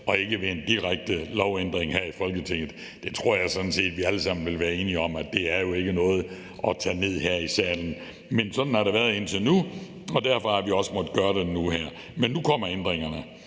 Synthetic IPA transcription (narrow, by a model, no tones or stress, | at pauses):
ɒ̽e̝ɡ̥əʋeːnd̥iʁaɡ̥̚d̥əlɒʊend̥ʁeŋɦæɐ̰ifɒ̽lɡ̥ət͡sʰeŋ̰ð̩ˠ | d̥e̝t͡sʰʁo̝ɐ̰jɑ̈ɪsɒ̽d̥n̩se̝̰ːd̥ʋiæləsɑ̈m̰n̩ʋe̝lʋæːɐe̝ːniɒ̽mæd̥e̝æɐjo̝e̝ɡ̥ənɔ̽ːð̩ˠ | ʔɒ̽t͡sʰɛ̰ːne̝ð̞̰ˠɦæɐ̰isɛ̰ːln̩ | mensɒ̽d̥n̩hɑ̈ɾ̥ɑ̈ʋæɐðˠe̝n̰t͡sʰe̝nu | ɒ̽d̥æɐ̰fɒæɐʋiɒ̽səmɒd̥ɡ̥ɶːɐɾ̥e̝nuɦæɐ̰ | menːukʰɒ̽m̰ɐend̥ʁeŋɐnə